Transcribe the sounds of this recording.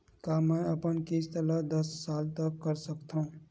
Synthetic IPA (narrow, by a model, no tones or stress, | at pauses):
kamɛ̃əpənkeːst̪əlad̪əsːaːlt̪əkːəɾsəkt̪aũ